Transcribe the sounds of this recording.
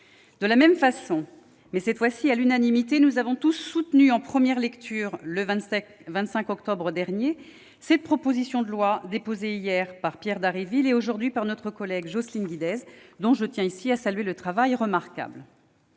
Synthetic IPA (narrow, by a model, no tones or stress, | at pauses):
d̪̥əlamɛmfasɔ̃ | mɛsɛt̪fwasialynanimit̪enuzavɔ̃t̪usːut̪nyɑ̃pχəmjɛʁlɛkt̪ʰyːʁləvɛ̃t̪sɛ̃kɔkt̪ɔbʁəd̪ɛʁnje | sɛt̪̚pχɔpozisjɔ̃d̪əlwad̪epozeijɛʁpaʁpjɛʁd̪aʁivileoʒuʁd̪ɥipaʁnɔt̪χəkɔlɛɡʒɔslinɡʲid̪ɛzd̪ɔ̃ʒət̪jɛ̃isiasalɥelət̪χavajʁəmaʁka̰bl